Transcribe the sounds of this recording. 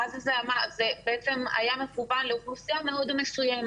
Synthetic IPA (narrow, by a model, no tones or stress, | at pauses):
azzeamazebeʔet͡sema̰jamefubanleʁusijameod̪mesujam